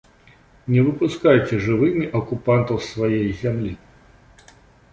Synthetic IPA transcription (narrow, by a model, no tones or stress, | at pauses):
nʲɛvɨpuskajt͡sʲɛʐɨvɨmʲiʔɐkupant̪ɐwsvajejzʲamlʲi